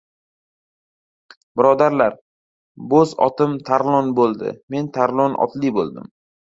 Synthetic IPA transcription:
bɪɾɒd̪aɾlaɾ | bozɒ̰t̪ʰɪmt̪ʰaɾlˠɒnbolˠd̪ɪ̰me̞nt̪ʰaɾlˠɒnʔɒ̰t̪libolˠd̪ɪ̰m

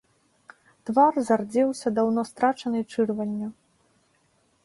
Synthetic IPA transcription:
t̪varzard͡zʲɛwsʲɐd̪awnɔst̪ɾat͡ʂɐnɨt͡ʂɨrvɐnʲːɐ

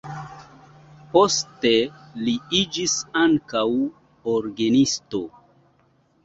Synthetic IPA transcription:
po̞ste̞liid͡ʒisaŋkaw | oɾɡenisto̞

